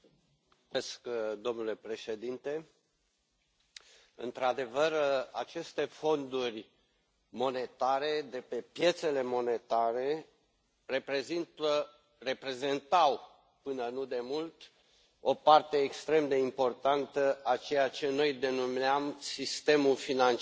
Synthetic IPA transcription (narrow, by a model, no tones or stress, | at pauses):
eskd̪o̞mnule̞pɾe̞ʃe̞d̪int̪e̞ | ɨ̰nt̪ɾad̪e̞vəra̰t͡ʃe̞st̪e̞fo̞nd̪urʲ | mo̞ne̞t̪aɾe̞d̪e̞pe̞pje̞t̪se̞le̞mo̞ne̞t̪aɾe̞ | re̞pɾe̞zint̪ə | re̞pɾe̞ze̞nt̪aw | pɨnənud̪e̞mult̪ | o̞part̪e̞ːkst̪ɾe̞md̪e̞impo̞rt̪ant̪əʔat͡ʃe̞jat͡ʃe̞no̞jd̪e̞numeamsist̪e̞mulfinant͡ʃ